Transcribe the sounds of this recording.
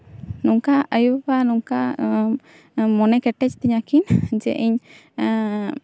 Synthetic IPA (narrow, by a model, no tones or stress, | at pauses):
nuŋkaəjubanuŋka | mɔnɛkɛʈɛt͡ʃt̪ɛɲakind͡ʒɛ̰ʔiɲ